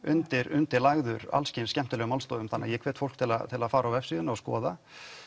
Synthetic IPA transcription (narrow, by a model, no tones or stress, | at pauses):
ʔʏ̰nt̪ɪɾʏnt̪ɪɾlaɣðʏɾa̰lscɪnscɛm̥t̪ʏlɛɣʏmalst̪ɔːwðʏmθanːa̰ðjɛkʰv̥ɛːt̪fow̥̪kt̪ʰɪlat̪ʰɪlaðfaːɾawvɛfsiðʏnaaskɔ̰ːða